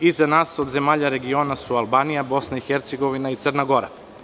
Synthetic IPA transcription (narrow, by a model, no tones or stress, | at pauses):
izanaːsod̪ze̞maːʎaɾe̞ɡio̞ːnasualˠbaːnijabo̞snaixeɾt̪seɡo̞ʋinait̪sərnaɡo̞ɾa̰